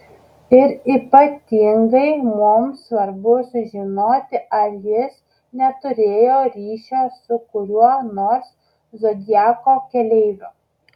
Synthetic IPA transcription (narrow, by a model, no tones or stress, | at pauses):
ɪɾiːpɐt̪ʲɪŋɡɐɪmʊmsʋɐɾbʊsʊʒʲɪnoːt̪ʲɪʔɐɾjɪs | nʲɛt̪ʊɾʲeːjoːɾʲiːʃʲɛːsʊkʊɾʲuɔnoːɾs | zod̪ʲɪjæːkoːkʲɛlʲɛɪʋʲʊ